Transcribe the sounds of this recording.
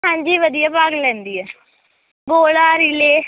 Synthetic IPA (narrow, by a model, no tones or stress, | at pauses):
ãːɲd͡ʒiːʋəd̪ijaːpaːɡlɛ̃ːnd̪iɛː | ɡoːlaːɾɪleː